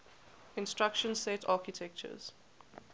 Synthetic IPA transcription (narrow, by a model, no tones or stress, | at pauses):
ɪ̃nstɹakʃə̃nsɛtʰaːkitʰɛk̚t͡ʃə̰z̥